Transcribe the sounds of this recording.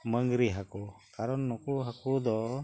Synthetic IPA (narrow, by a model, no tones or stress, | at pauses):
məŋɡɾiɦakukaɾɔnːɔkuɦakud̪ɔ